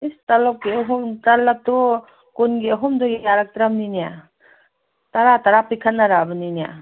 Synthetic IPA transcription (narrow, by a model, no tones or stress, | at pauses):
istalɔp̚kiɐɦɔmtalːat̪ɔ | kunɡiɐɦɔmdɔɡijaɾak̚tɾamninija | taɾataɾapikʰanːaɾabɯninija̰